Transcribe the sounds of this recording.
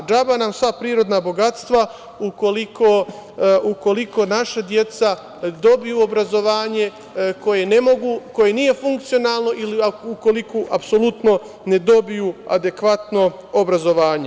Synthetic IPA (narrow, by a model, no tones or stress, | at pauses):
d͡ʒabanamsʋapɾiːɾo̞d̪nabo̞ɡat̪st̪ʋa | uko̞likʰo | uko̞liko̞naʃad̪je̞t̪sa | d̪o̞bijuobɾazo̞ʋaːɲe̞ | ko̞je̞ne̞mo̞ɡuːko̞jenije̞fuŋk̚t̪sijo̞naːlˠno̞ʔiliuko̞likoʔapso̞lut̪no̞ | ne̞d̪o̞bijua̰d̪e̞kʋat̪no̞ | obɾazo̞ʋaːɲe